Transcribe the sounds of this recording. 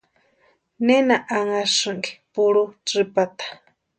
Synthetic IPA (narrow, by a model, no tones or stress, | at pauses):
nenaʔaŋaʂɨŋɡipuɺut͡sɨpat̪ḁ